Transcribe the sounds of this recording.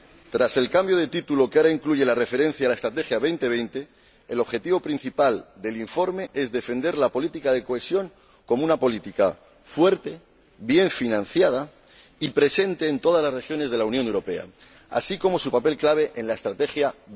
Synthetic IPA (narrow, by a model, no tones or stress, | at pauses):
t̪ɾase̞lkambjo̞ð̞e̞t̪it̪ulo̞keaɾaiŋkluʝe̞lare̞fe̞ɾe̞n̟θjaːlae̞st̪ɾat̪̬e̞xjaβe̞jnt̪e̞β̞e̞jnt̪e̞ː | lo̞βxe̞t̪iβo̞pɾin̟θipald̪e̞liɱfo̞ɾme̞ʔe̞zðe̞fe̞nd̪e̞ɾlapo̞lit̪ikað̞e̞ko̞e̞sjo̞ŋ | ko̞mounapo̞lit̪ika | fwe̞ɾt̪e̞ | βje̞ɱfinãn̟θjað̞a | ipɾe̞se̞nt̪e̞ːnt̪o̞ð̞azlazre̞xjo̞ne̞zð̞e̞launjonewɾo̞pe̞a̰ | a̰siko̞mo̞supape̞lklaβ̞e̞ʔenlae̞st̪ɾat̪e̞xja